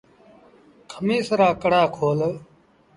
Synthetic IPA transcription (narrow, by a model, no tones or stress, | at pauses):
kʰəmiːsəɾaːkəɽaːkʰoːl